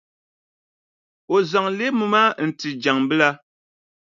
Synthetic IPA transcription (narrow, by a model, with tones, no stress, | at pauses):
o˨za˨ŋle˦mu˨ma˦n̩˨ti˨d͡ʒa˨ŋbɨ˦la˦